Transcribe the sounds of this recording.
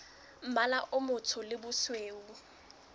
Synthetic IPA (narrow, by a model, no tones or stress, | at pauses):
m̩malaʔʊmʊtʰʊlɪbʊsweːu